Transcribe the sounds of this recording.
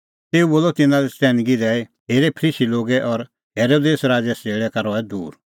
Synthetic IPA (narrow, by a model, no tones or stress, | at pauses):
t̪eːuboːlɔt̪ɪnãlɛt͡sɛːnɡid̪ɛːi | ɦeːɾɛpʰəɾiːsiloːɡɛʔɔɾ | ɦeːɾoːd̪eːsɾaːd͡ʒɛseːɭɛkaɾɔɛd̪uːɾ